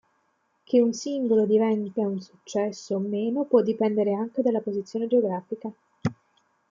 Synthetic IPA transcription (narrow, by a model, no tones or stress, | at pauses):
kʰeunsiŋɡolod̪ivɛnt̪aunsut͡ʃːɛsːoːmːeːnopwɔd̪ːipɛnd̪eɾeaŋked̪alːapozit̪sːjoːned͡ʒeoɡɾaːfika